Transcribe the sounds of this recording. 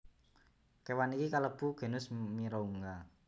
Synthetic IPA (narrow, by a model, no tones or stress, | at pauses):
kewanikikaləb̥ṳɡ̥e̤nʊsmiɾɔuŋɡa